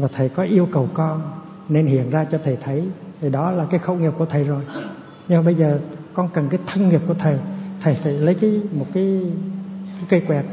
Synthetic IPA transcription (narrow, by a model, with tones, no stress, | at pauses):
vaː˨˩t̪ʰə˨˩jkɔ˨˦ʔi˧əwkə˨˩wkɔ˧n | ne˧nhḭ˧˨ənzaː˧t͡ɕɔ˧t̪ʰə˨˩t̪ʰə˨˦jt̪ʰi˨˩ɗɔ˨˦laː˨˩kaː˨˦jxə˧˨wŋi˨˩p̚ku˧˩ət̪ʰə˨˩jzo˨˩j | ɲɨ˧ma˨˩ɓə˧jzəː˨˩kɔ˧nkə˨˩nkaː˨˦jt̪ʰə˧nŋi˨˩əp̚ku˧˩ət̪ʰə˨˩jt̪ʰə˨˩jfa̰ː˧˨jlə˨˦jkaː˨˦jmo˨˩t̚kaː˨˦j | kaː˨˦jkə˧jkwɛ˨˩k̚